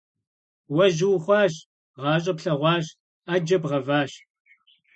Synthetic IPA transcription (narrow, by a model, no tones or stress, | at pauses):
wɐʒɪwχʷɑːɕ | ʁɑːɕʼɐpɬɐʁʷɑːɕ | aːd͡ʒɐbʁɐvaːɕ